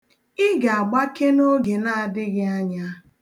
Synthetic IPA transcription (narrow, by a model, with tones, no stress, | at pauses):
ɪ˦ɡa˨a˨ɡ͡ba˦ke˦no˦ɡe˨na˦a˨dɪ˦ɣɪ˦a˦ɲa˦